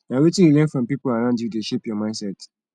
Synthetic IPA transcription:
nawetĩulɛ̃nfɹɔ̃mpipolaɹãʊ̃ndjudeʃepjɔmãɪ̃nsɛt

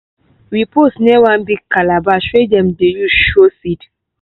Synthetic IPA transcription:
ɹiposnɛwãnbiɡkalabaʃwedɛ̃mdejuʃosit

